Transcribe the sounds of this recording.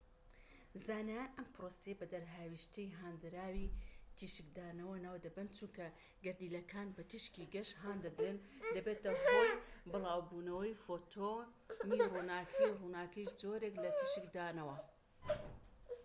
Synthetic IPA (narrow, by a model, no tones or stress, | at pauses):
zaːnajaːnʔɐmpɾosejɐbɐd̪ɐɾɦaːwiʃt̪ɨjɦaːnd̪ɨɾaːwit̪ʰiːʃɨkd̪aːnɐwɐnaːwd̪ɐbɨnt͡ʃuŋkɐ | ɡɐɾd̪iːlɐkʰaːnbɐt̪ɨʃkiɡɐʃɦaːnd̪ɐd̪ɾeːnd̪ɐbeːt̪ɐɦojbɨlˠaːwbuːnɐwɐjfoːt̪ʰo | nirunaːkʰɐjwrunaːkɐjʃd͡zoːɾeklɐt̪ʰiʃɨkd̪aːnɐwɐ